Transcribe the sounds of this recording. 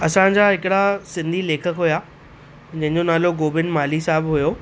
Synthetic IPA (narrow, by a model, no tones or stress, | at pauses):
ɐsãd͡ʑaːɦɪkɪɽasɪ̃nd̪ʱileːkʰəkɦʊja | d͡ʑɐ̃ɦɪ̃ɲd͡ʑonaːloɡoːbɪnmaːlisaːɦɪbɦʊjoː